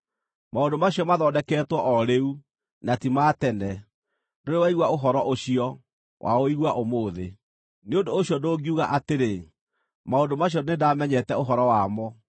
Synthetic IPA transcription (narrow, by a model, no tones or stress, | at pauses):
maondomaɕiɔmaðɔːdɛkɛːtwɔʔɔɾeu | natimatɛnɛ | ndoɾewaiɣwaoɦɔɾɔʔoɕiɔ | wʔa̰oiɣwaʔomoːðe | neondoːɕjɔdoɡiuɣa̰ʔateɾe | maondomaɕ̬jɔnedamɛɲɛtɛoɦɔɾɔwamɔ